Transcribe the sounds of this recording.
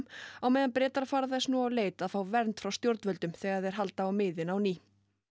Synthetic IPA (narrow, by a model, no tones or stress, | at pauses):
mawmɛːðanpɾɛːt̪aɾfaːɾaθɛsnuawleːjt̪aðfaːwvɛɾnt̪fɾawst̪jowɾt̪vœlt̪ʏmθɛːɣaɾðɛɾ̥ɦalt̪aawmɪːðɪnawniː